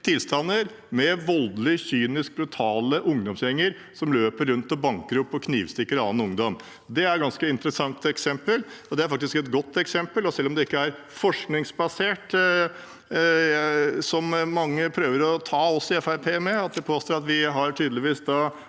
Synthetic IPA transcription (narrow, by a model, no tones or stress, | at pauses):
t̪ʰɪlst̪ɑnːəɾ | mɛʋɔld̪lɪçyːnɪsk̚bɾʉt̪ʰɑːləʔʊŋd̪ɔmsjɛŋːəɾ | sɔmløːpəɾːʉnt̪ɔbɑŋkəɾɔpːɔkʰniːʋst̪ɪkːəɾɑ̰ːnʊŋd̪ɔm | d̪ɛæɾɡɑnskəɪnt̪ɾəsɑŋt̪ɛksɛmpəlɔd̪ɛæɾfɑk̚t̪ɪskɛt̪ɡɔt̪ːɛksɛmpəlɔsɛlːɔmd̪ɛɪkːəæɾ | fɔʂknɪŋsbɑseːʈ | sɔmmːɑŋːəpʰɾøːʋəɾɔt̪ʰɑːɔsɪɛfæɾpʰeːmɛɑt̪̚d̪ɛpʰoːst̪oːɾɑt̪ʋɪɦɑɾʈʰyːd̪lɪʋiːsd̪ɑ